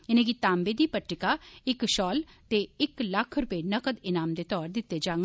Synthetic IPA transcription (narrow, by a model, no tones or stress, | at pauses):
ɪnẽːɡit̪aːmbeːd̪iːpəʈːɪkaːɪkʃɔːlt̪eːɪkləkʰɾʊpeːnəkəd̪ɪnaːmd̪eːt̪ɔːɾd̪ɪt̪ːeːd͡ʒaːŋɡ